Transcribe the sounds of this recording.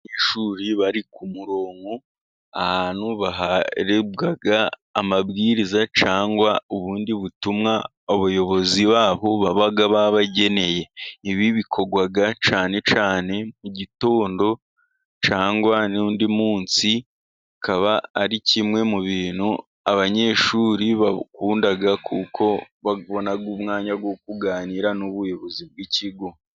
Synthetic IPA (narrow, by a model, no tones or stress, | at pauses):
ɲeʃuːɾiβaɾikumuɾo̞ːŋɡo | ahaːn̥huβaɦaɾebɡaɡaːmabɡiːɾizat͡ʃaːŋɡwauβuːndiβutumŋa | oβujo̞βo̞ziβaːβoβaβaɡaβaβaɟe̞ne̞je̞iβiβikʰo̞ɡwaɡat͡ʃaːne̞t͡ʃaːne̞muɟito̞ːndo̞ | t͡ʃaːŋɡwanuːndimuːnsi | kaβaːɾicimŋe̞muβiːn̤u | aβaɲe̞ʃuɾiβakuːndaɡakʰukʰo̞ | βaβo̞naɡumŋaːɲaɡwok̚uɡaːniːɾanuβujo̞βo̞zib̚ɡicʰiɡo̞